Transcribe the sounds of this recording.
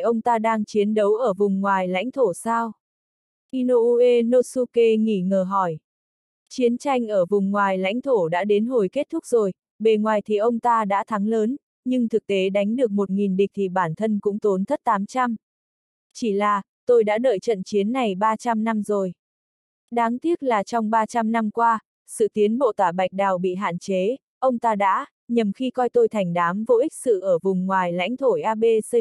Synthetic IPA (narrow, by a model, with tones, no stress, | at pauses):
ʔə˧wŋ͡mt̪aː˧ɗaː˧ŋt͡ɕi˨˦ənɗə˨˦wʔəː˧˩vʊ˨˩ŋ͡mŋwaː˨˩jla̰˧˥jŋ̟t̪ʰo˧˩saː˧w | ʔi˧no˧ʔu˧ʔe˧no˧su˧ke˧ŋḭ˧˩ŋəː˨˩ɦɔ˧˩j | t͡ɕi˨˦ənt͡ɕa˧jŋ̟ʔəː˧˩vʊ˨˩ŋ͡mŋwaː˨˩jla̰˧˥jŋ̟t̪ʰo˧˩ɗa̰ː˧˥ɗe˨˦nɦo˨˩jke˦˥t̚t̪ʰʊ˦˥k̚zo˨˩j | ɓe˨˩ŋwaː˨˩jt̪ʰi˨˩ʔə˧wŋ͡mt̪aː˧ɗa̰ː˧˥t̪ʰa˨˦ŋləː˨˦n | ɲɨ˧ŋt̪ʰɨ˨˩k̚t̪e˨˦ɗa˨˦jŋ̟ɗɨ˨˩ək̚mo˨˩t̚ŋi˨˩nɗï˨˩k̟̚t̪ʰi˨˩ɓaː˧˩nt̪ʰə˧nkʊ̰˧˥ŋ͡mt̪o˨˦nt̪ʰə˦˥t̚t̪aː˨˦mt͡ɕa˧m | t͡ɕi˧˩laː˨˩ | t̪o˧jɗa̰ː˧˥ɗəː˧˨˩jt͡ɕə̰˧˨nt͡ɕi˨˦ənːa˨˩jɓaː˧t͡ɕa˧mna˧mzo˨˩j | ɗaː˨˦ŋt̪i˦˥ət̚laː˨˩t͡ɕɔ˧wŋ͡mɓaː˧t͡ɕa˧mna˧mkwaː˧ | sɨ̰˧˨t̪i˨˦ənɓo̰˧˨t̪waː˧˩ɓa˨˩jk̟̚ɗaː˨˩wɓḭ˧˨ɦa̰ː˧˨nt͡ɕe˨˦ | ʔə˧wŋ͡mt̪aː˧ɗa̰ː˧˥ | ɲə˨˩mxi˧kɔ˧jt̪o˧jt̪ʰɛ˨˩jŋ̟ɗaː˨˦mvo̰˧˨ʔi˦˥k̚sɨ̰˧˨ʔəː˧˩vʊ˨˩ŋ͡mŋwaː˨˩jla̰˧˥jŋ̟t̪ʰo˧˩jʔaː˧ɓe˧sə˧